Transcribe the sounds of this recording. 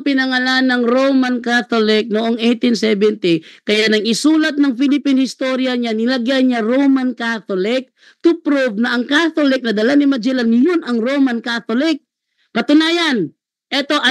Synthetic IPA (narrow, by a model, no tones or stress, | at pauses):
pɪnɐŋɐlanɐŋɾowmankat̪olɪk̚noʔoŋʔɛjt̪ɪnsɛbɛnt̪ɪkɐjanɐŋɪsuːlɐt̪̚nɐŋfilɪpinhɪst̪oɾjɐɲanɪlɐɡjaɲaɾowmankat̪olɪk̚ | t̪ʊpɾuvnɐʔɐŋkat̪olɪk̚nɐd̪ɐlanɪmɐd͡ʒɛlanjʊnʔɐŋɾoːmankat̪olɪk̚ː | ɐt̪ʊnaːjɐn | ʔɛt̪o̞ʔɐ